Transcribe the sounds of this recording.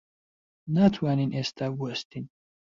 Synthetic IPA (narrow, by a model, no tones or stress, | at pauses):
nat̪ʰwaːninest̪ʰabuɐst̪in